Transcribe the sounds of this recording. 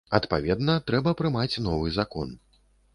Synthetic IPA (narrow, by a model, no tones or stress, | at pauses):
ɐt̪pavʲɛd̪nɐt̪ɾɛbɐpɾɨmat͡sʲnɔvɨzakɔ̰n